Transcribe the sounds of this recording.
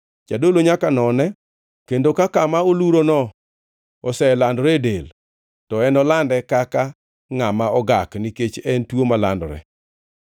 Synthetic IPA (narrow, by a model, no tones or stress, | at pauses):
t͡ʃadoloɲakanɔnɛ | kendokakamaoluɾonɔ | ɔsɛlandɾɛdel | tɔɛnɔlandɛkaka | ŋamaɔɡakniket͡ʃɛntwomala̰ndɾɛ̰